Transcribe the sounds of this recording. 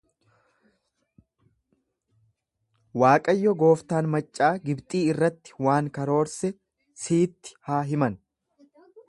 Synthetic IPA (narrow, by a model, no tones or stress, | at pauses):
waːkʼɐjːɔɡo̞ːft̪aːnmɐt͡ʃʼːaːɡɪbt̪ʼiːɪrːɐt̪ːɪ̥waːŋkɐɾo̞ːɾsɛ | siːt̪ːɪ̥haːɦɪmɐn